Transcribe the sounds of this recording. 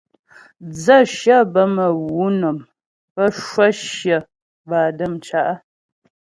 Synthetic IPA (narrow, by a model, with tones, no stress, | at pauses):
d͡zə˦˨ʃjə˦˨bə˦mə˨wu˨˦nə˨m | pə˦ʃwə˦ʃjə˨ | baː˨də˦˨mt͡ʃa˨ʔə˦